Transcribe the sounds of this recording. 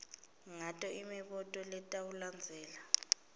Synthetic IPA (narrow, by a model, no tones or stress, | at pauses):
ŋatʼɔʔimiɓɔtʼɔlɛtʼauland͡zʱɛːla